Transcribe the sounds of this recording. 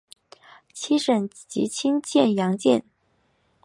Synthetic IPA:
t͡ɕʰi˥ʂə˨˩n | t͡ɕḭ˧˥t͡ɕʰi˥ŋt͡ɕjɛ˥˩njɑ˧˥ŋt͡ɕjɛ̰˥˩n

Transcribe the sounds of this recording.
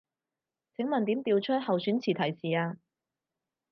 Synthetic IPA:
t͡sʰɪ˨˥ŋmɐ˨nt̪i˨˥mt̪iː˧wt͡ʃʰɵ˥t̚hɐ˨wsyː˨˥nt͡sʰiː˨˩t̪ʰɐ˨˩jsiː˨aː˧

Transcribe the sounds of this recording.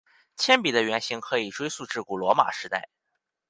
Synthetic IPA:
t͡ɕʰjɛ˥npi˨˩d̪ə˦ɥɛ˧˥nɕi˧˥ŋkʰɤ˧˥i˨˩ʈ͡ʂwe˥ɪsu˥˧ʈ͡ʂɻ̩˥˩ku˨˩lwɔ˧˥ma̰˨˩ʂɻ̩˧˥t̪a̰˥˩ɪ

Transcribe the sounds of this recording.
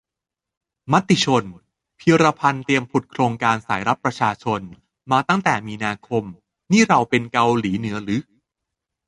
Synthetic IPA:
ma˦˥t̪ːi˨˩t͡ɕʰo˧n | pʰiː˧ɾa˧pʰa˧nt̪i˧əmpʰu˨˩t̪̚kʰɾoː˧ŋkaː˧nsa̰ː˩˦jɾa˦˥p̚pɾa˧t͡ɕʰaː˧t͡ɕʰo˧n | maː˧t̪a˥˩ŋt̪ɛː˨˩miː˧naː˧kʰo˧m | niː˥˩ɾa˧wpe˧nka˧wliː˩˦nɯ˩˦ɐɾɯ˩˦˥

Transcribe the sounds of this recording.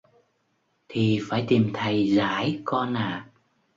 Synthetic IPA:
t̪ʰi˨˩faː˧˩jt̪i˨˩mt̪ʰə˨˩jzaː˧˥˦jkɔ˧naː˨˩

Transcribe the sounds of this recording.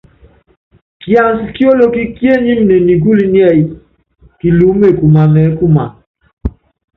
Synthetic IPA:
kja˨nsi˨ki˦o˦lo˦ki˦kje˦ɲi˦m˨˦ne˨ni˨ɡu˦li˦njɛ˦˨ji˨ | ki˨lu˨˦me˦˨ku˨ma˨mɛ˨˦ku˦ma˨

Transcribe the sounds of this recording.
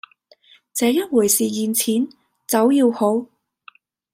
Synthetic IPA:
t͡sɛː˨˧jɐ˥t̚wuː˨˩jsiː˨jiː˨˧nt͡sʰiː˨˥n | t͡sɐ˨˥wjiː˧who˨˥w

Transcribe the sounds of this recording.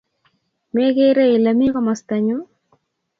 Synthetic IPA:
me˦ke˦ɾe˦ɪ˨la˨mi˦kɔ˦ma˨st̪a˨ɲo˦

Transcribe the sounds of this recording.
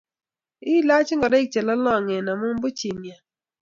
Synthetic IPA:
ɪ˦la˦t͡ʃɪ˦ŋɡɔ˨dɔ˦ɪ˦k̚t͡ʃɛ˨la˦lɔ˦˨ŋɛ˨na˨mʊ˦m˦bʊ˦t͡ʃi˨mja˨

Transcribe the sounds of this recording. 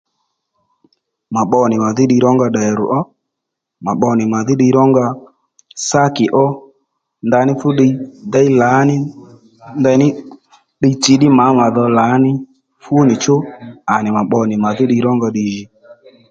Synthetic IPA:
ma˨ɓɔ˨nɪ˨ma˨ðɪ˦ɗi˧˦ɾɔ˦ŋɡa˧ɗa˨ɛ˨ɾʊ̰˨ʔɔ˦ | ma˨ɓɔ˧nɪ˨ma˨ðɪ˦ɗi˧˦ɾɔ˦ŋɡa˧ | sa˦kɪ˨ʔɔ˦ | nda˧nɪ˦fʊ˦ɗi˧da˦i˦la˨˦nɪ˦ | nda˧nɪ˦ | ɗi˧˦t͡ʃi˨˦ɗɪ˦ma˨˦ma˨ðɔ˧laː˨˦nɪ˦ | fu˦o˦nɪ˨t͡ʃo˦a˨nɪ˨ma˨ɓɔ˧nɪ˨ma˨ðɪ˦ɗi˧˦ɾɔ˦ŋɡa˧ɗi˨ʒi˨

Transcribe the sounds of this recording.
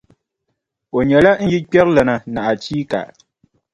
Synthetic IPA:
o˨ɲɛ˨la˦n̩˦ji˦k͡pɛ˦ɾlɛ˨na˨na˨ʔa˨t͡ʃiː˦ka̰˨ʔ

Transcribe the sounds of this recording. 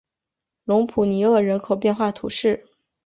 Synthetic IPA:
lʊ˧˥ŋpʰu˨˩ni˧˥ɤ˥˩ɻə˧˥nkʰo˨˩ʊpjɛ˥˧nxwa˥˩t̪ʰṵ˧˥ʂɻ̩˥˩

